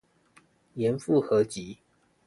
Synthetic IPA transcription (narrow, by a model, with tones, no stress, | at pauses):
jɛ˨˧˦nfu˥˨xɤ˨˧˦t͡ɕi˨˦